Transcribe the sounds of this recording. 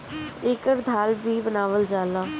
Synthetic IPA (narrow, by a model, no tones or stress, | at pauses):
ɪkəɾd̪ʱaːlbiːbənaːʋəld͡ʒaːlaː